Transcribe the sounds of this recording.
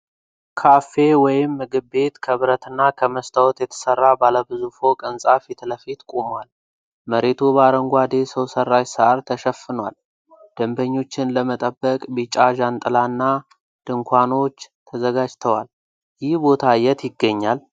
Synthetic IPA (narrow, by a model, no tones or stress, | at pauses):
kʰafe̞wɔjɪmːɨɡɨβbe̞t̪kʰəβɾət̪ɨnːakʰəməst̪ʰəwɔt̪jɛt̪ʰə̥sərːabaləbɨzufokʼənsʼafit̪ʰləfit̪kʼomwal | məɾet̪ʰubaɾəŋɡʷad̪esəwsərːajsəʔaɾt̪ʰəʃəfːɨnwal | d̪̥əmbəɲːo̞t͡ʃːɪnləmət̪ʼəbːəkʼbit͡ʃʼaʒant̪ʼɨlanːa | d̪̥ɨŋkʰʷano̞t͡ʃːt̪ʰəzəɡad͡ʒt̪ʰəwal | jɪhbo̞t̪ʰajɛt̪jɪɡːəɲːal